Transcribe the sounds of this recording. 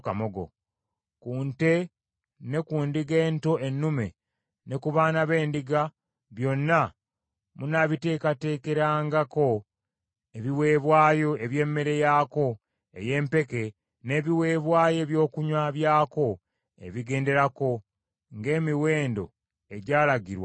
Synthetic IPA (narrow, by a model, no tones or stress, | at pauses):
kamoɡo̰ | kuːnte̞ | ne̞kuːndiɡe̞ːnto̞ʔe̞nːume̞ | ne̞kuβaːnaβe̞ːndiɡa | βjo̞nːa | munaβite̞ːkate̞ːke̞ɾaːŋɡako̞ | e̞βiwe̞ːβwaːjo̞e̞βje̞ːmːe̞ɾe̞jako̞ | e̞̰je̞ːmpe̞ke̞ | ne̞ːβiwe̞ːβwaːje̞βjo̞ːkuɲwaβjaːko̞ | ḛβiɡe̞ːnde̞ɾako̞ | ŋɡe̞ːmiwe̞ːndo̞̰ | e̞ɟaːlaɟiɾwa̰